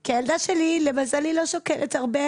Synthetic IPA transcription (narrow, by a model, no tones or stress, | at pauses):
kiajald̪aʃelilemazalilo̞ʃokelʔetaʁbe